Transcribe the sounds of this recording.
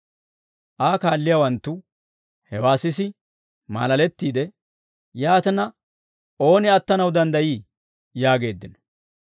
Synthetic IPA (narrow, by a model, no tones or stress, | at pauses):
ʔaːkaːlːɪjawɐnt̪ːʊ | hɛwaːsɪsɪ | ma̰ːlɐlɛt̪ːiːd̪ɛ | jaːt̪ɛnɐ | ʔo̞ːnɪɐt̪ːɐnɐwd̪ɐnd̪ɐjiː | jaːɡe̞ːd̪ːɪnɔ̥